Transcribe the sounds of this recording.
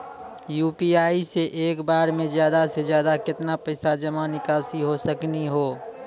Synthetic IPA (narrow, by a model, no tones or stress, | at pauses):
juːpiaːiseʔeːkbaːɾmẽzjaːd̪ased͡ʒjaːd̪akɪt̪napɐɪsad͡ʒəmanɪkaːsiɦosəkniɦoː